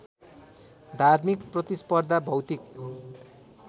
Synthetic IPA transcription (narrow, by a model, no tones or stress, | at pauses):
d̪ʱarmikprʌt̪ispʌrd̪ʱabʱʌwt̪ik̚